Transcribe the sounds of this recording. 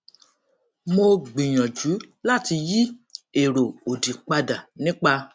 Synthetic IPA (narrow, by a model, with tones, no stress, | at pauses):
mo˧ɡ͡bĩ˨j̃ɔ̃˨d͡ʒu˨˦la˦˨ti˧ji˦e˦˨ɾo˨o˨di˨k͡pa˧da˨nĩ˦k͡pa˧